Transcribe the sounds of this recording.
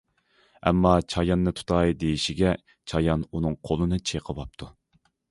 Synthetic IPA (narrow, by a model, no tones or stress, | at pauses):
ɛ̰mːɑt͡ʃʰɑjɑnːɨt̪ʰu̥t̪ʰɑjd̪ejiʃiɡʲɛ | t͡ʃʰɑjɑnunɨŋqʰolˠɨnɨt͡ʃʰeqʰəbɑp̚t̪ʰu